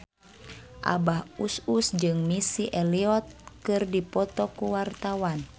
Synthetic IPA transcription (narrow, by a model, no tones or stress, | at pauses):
ʔa̰bahususd͡ʒɨŋmisiʔɛliɔt̪̚kɨrdipɔt̪ɔkuwart̪awan